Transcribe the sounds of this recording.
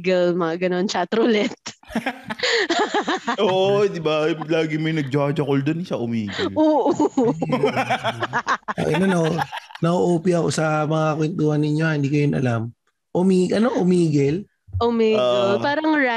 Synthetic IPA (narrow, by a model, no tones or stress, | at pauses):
ɡɛlmɐɐɡɐno̞nt͡ʃat̪ɾʊlɛt̪̚ | ʔoːʔod̪ɪbaplaːɡɪmɐjnɐɡ̚d͡ʒaːd͡ʒɐkold̪onɪʃaʔʊmiːɡʔoːʔ | ɐ̰ʔɐnɐnonɐʔoʔoːpiʔɐko̞̰sɐmɐŋakwɛnt̪uːhɐnːɪɲo̞hɪnd̪iːkɐjʊnʔɐ̰lam | ʔʊmiːɡʔɐnoʔʊmiːɡɛl | ʔʊmiːɡɛlpaːɾɐŋɾa